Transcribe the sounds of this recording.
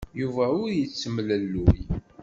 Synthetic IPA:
juvæʊɾjət͡sːəmləlːuj

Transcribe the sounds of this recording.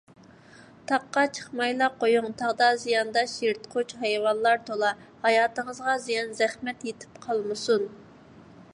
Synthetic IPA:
t̪ʰɑqːɑt͡ʃʰə̥χmɑjlˠɑqʰojuŋt̪ʰɑʁd̪ɑzijɑnd̪ɑʃeɾt̪qʰot͡ʃhɛjwɑnlˠɑɾt̪ʰolˠɑhɑjɑːt̪əŋəzʁɑzijɑnzɛχmɛt̪jet̪ʰɪ̥p̚qʰɑlˠmɨsun

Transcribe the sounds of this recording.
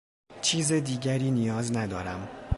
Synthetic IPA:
t͡ʃʰiːzed̪iːɟæɾiːnijɒːznæd̪ɒːɾæm

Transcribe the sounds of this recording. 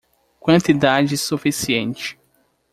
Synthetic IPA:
kwɐ̃nt̪id̪ad͡ʒɪsufisiẽnt͡ʃɪ̥

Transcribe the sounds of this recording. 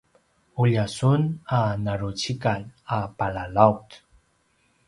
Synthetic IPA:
uʎasunanaɾut͡ɕikanapalalawt̪

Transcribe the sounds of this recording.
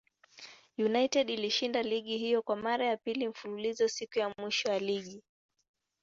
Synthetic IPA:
junajtɛɗiliʃindaliɠiɦijɔkwamaɾajapilim̩fululizɔsikujamwiʃɔjaliɠi

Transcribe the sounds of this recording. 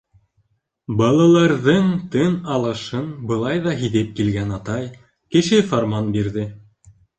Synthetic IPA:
bɑlˠɑlˠɑɾðɤŋt̪ɤnɑlˠɤ̆ʃɤnbɤ̆lˠɑjðɑɦiðɘp̚kilɡænɑt̪ɑj | kɘ̆ʃɘfoɾmɑnbiɾðɘ

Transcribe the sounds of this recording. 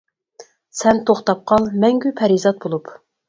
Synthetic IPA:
sɛnt̪ʰoχt̪ɑp̚qʰɑlˠmɛŋɡʲypʰɛɾizɑt̪̚bolˠup

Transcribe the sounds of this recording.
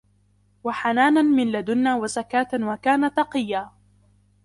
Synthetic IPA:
waħanaːnanmɪnlad̪ʊnːaːwazakaːt̪awakaːnat̪ːɑqɨjːaː

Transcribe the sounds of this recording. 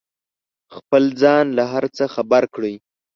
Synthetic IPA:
xpəlzɑnlaɦaɾt͡səxabaɾkɽəj

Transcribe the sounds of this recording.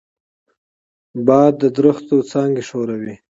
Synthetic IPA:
bɑːd̪ːəd̪ɾəxt̪ot͡sɑŋɡeʂoɾawi

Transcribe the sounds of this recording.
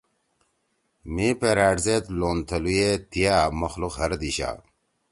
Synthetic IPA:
mipeɾaːɖzet̪loːnt̪ʰɐlujet̪ijaːmɐxluqɦɐɾd̪iɕa̰ː

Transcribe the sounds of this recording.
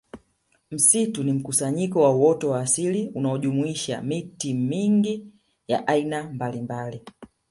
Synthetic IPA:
m̩situnim̩kusaɲikɔwauwɔtɔwaːsiliunaɔʄumuiʃa̰mitimiŋɡi | jaʔainambalimbali

